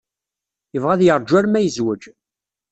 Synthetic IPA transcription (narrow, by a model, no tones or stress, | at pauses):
jəvʁæðjəɾˤd͡ʒæɾmæjəzwəd͡ʒ